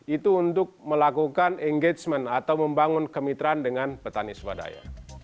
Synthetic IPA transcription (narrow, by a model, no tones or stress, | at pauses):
it̪uunt̪ʊk̚məlakukanʔɛŋɡet͡ʃmənat̪awməmbaŋʊnkəmit̪ɾndəŋanpət̪aniswa̰da̰ja̰